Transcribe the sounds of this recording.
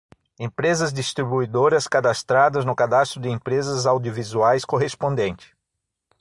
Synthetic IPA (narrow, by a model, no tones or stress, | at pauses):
ẽpɾezɐzd̪ist̪ɾibuid̪oɾɐskad̪ast̪ɾad̪ɐznʊkad̪ast̪ɾʊd̪ɪẽmpɾezɐzawd̪iovizuajskoɦespõnd̪ẽnt͡ʃ̪ɪ̥